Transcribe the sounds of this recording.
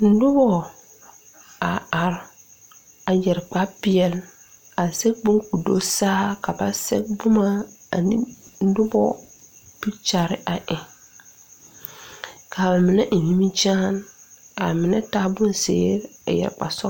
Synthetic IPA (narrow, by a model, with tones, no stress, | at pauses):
n̩˦dʊ˦bɔ˦ | a˨a˨ɾ | a˨jɛ˨ɾk͡pa˦pɪ˦ɛ˨l | a˨sɛ˦k̚bʊ˦ŋku˨do˦saː˦ka˨ba˨sɛ̰˦k̚bʊ˦ma˦a̰˨nḭ˦n̩˦dʊ˦bɔ˦ | bi˦t͡ʃa˨ɾɪ˦ʔa˨ʔɪ˨ | kʰa˨ba˨mɪ˨nɛ˦ʔi˨ni˦mi˦t͡ʃaː˦na˨mɪ˨nɛ˦taː˦bʊ˦nsḛː˦ɾa̰˨jɛ̰˨ɾk͡pa̰˨sɔ˦